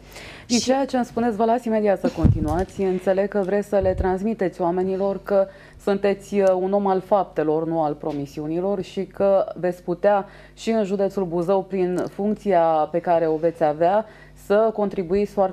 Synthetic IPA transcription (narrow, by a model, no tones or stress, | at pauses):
d̪it͡ʃejat͡ʃe̞nspunesʲvəlat̪sʲime̞d̪iat̪səko̞nt̪inuat̪sʲɨnt̪se̞le̞ɡ̚kəvɾesʲsəle̞t̪ɾansmit̪e̞t̪sʲjoame̞nilo̞rkə | sunt̪e̞t̪sʲuno̞malfap̚t̪e̞lo̞rnualpɾo̞misiunilo̞rʃikəve̞t̪sʲput̪ea | ʃiɨnʒud̪e̞t̪sulbuzəwpɾinfuŋk̚t̪siape̞kaɾe̞o̞ve̞t̪sʲavea | səko̞nt̪ɾibuit̪sʲfoa